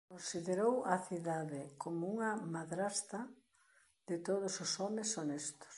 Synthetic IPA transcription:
konsiðeɾowɐθiðaðɪkomouŋɐmaðɾast̪ɐ | d̪ɪt̪oð̞ʊsʊsɔmesonest̪ʊ̥s

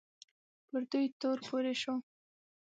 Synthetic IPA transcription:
pəɾd̪ujt̪oɾpoɾeʃo

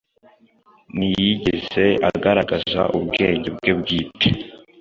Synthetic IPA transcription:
nijiɟeze̞aɡaɾaɡaza̰ʔubɡe̞ːɲɟebɡebɡiːte

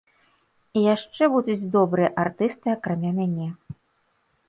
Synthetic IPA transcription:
ijaʂt͡ʂɛbud̪ud͡zʲd̪ɔbɾɨjɛʔart̪ɨst̪ɨakɾamʲamʲanʲɛ

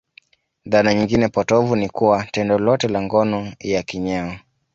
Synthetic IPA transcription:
ðanaɲiŋɡinɛpɔtɔvunikuwatɛndɔlɔtɛlaŋɡɔnɔjakiɲɛɔ

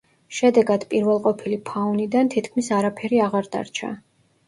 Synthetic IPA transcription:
ʃɛd̪ɛɡad̪pʼiɾvɛlˠqʼɔpʰilipʰaunid̪ant̪ʰit̪ʰkʰmisaɾapʰɛɾiaʁaɾd̪a̰ɾt͡ʃʰa̰

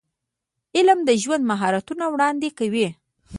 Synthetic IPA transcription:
ɪlmd̪əʒwand̪maɦɑɾat̪unawɽɑnd̪ekawi

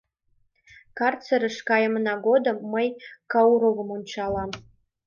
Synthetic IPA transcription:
kɑrt͡səɾə̆ʃkɑjə̆mənɑɡod̪ə̆mːəjkɑuɾoɣə̆munt͡ɕɑlˠɑm

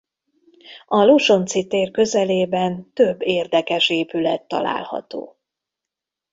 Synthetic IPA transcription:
ɒloʃo̞nt̪sit̪eːrkø̞zɛleːbɛnt̪ø̞bːeːrd̪ɛkɛʃeːpylɛt̪ːɒ̰la̰ːlhɒ̰t̪o̰ː

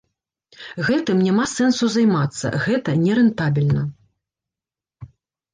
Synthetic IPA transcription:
ɣɛt̪ɨmnʲamasɛnsuzajmat̪sːɐ̰ɣɛt̪ɐnʲɛɾɨnt̪abʲilʲnɐ

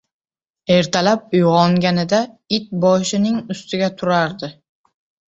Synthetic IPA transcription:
e̞ɾt̪ʰalap̚ʊjʁɒŋɡʲanɪd̪aɪt̪̚bɒʃɪnɪŋʊst̪ʰɪɡʲat̪ʰʊɾaɾd̪ɪ

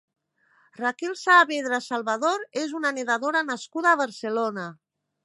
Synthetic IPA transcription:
rakelsaβeðɾasalˠβaðoɾezunaneðaðoɾanaskuðaːβ̞aɾselona

